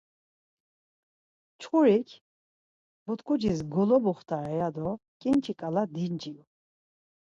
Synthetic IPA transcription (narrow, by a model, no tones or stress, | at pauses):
t͡ʃʰχuɾikʰ | but̪ʰkʰʼud͡ʒisɡɔlɔbuχt̪ʰaɾɛjad̪ɔkʼint͡ʃʰikʼalad̪ind͡ʒim